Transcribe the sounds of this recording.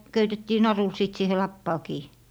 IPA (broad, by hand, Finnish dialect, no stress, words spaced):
køytetːiː nɑrul sit siːhe lɑpːɑː kiː